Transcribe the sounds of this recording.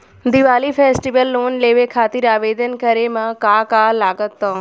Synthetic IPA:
d̪iʋaːlipʰeːsʈiʋəlːoːnleːʋekʰaːt̪iɾaːʋeːd̪ənkəɾemãkaːkaːlaːɡət̪ːoː

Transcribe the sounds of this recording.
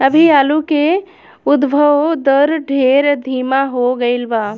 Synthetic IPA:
əbʱiaːluke | ʊd̪bʱəwd̪əɾɖʱeːɾd̪ʱiːmaɦoɡəɪlbaː

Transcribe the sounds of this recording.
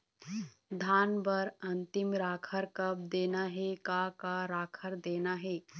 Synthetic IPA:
d̪ʱaːnbəɾɐnt̪ɪmɾaːkʰəɾkɐb̚d̪eːnaɦɛkakaɾaːkʰəɾd̪eːnaɦeː

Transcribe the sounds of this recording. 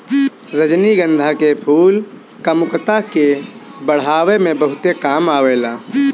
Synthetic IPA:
ɾəd͡ʒniɡə̃nd̪ʱakepʰuːl | kamʊkt̪akebəɽ̤aːwemẽbəɦʊt̪ekaːmaːweːlaː

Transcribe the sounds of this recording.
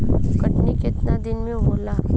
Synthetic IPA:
kəʈniket̪nad̪inmiɦola

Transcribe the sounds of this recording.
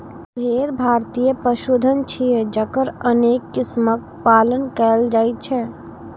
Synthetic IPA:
bʱeːɾbʱaːɾt̪ijəpɾəʃud̪ʱənt͡ʃʰijed͡ʒəkəɾəneːkːɪsmək̚ | paːlənkɛld͡ʒaːit̪̚t͡ʃʰɛ

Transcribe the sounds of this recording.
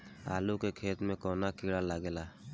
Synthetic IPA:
a̰lukekʰet̪mẽkɔnakiɽalaɡela

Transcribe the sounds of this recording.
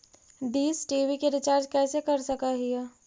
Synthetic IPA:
d̪iːsʈiːʋikeɾɪt͡ʃaːɾd͡ʒkɛːsekɐɾsɐkaɦiaː

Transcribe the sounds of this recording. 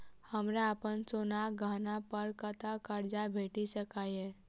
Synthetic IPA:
həmɾaəpənsoːnaːɡʱaːnapəɾkət̪akəɾd͡ʒabʱeːʈisəkaiɛ̃ː

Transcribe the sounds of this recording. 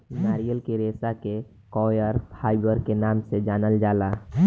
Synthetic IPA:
naːɾijəlkeɾeːsake | kɔːjəɾpʰaːɪbəɾkenaːmsed͡ʒaːnəld͡ʒaːla

